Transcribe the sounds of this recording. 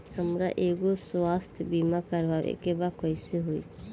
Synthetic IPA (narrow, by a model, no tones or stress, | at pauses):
həmɾaʔeɡoswast̪ʰbimakəɾʋaḛkebakɔjseɦoi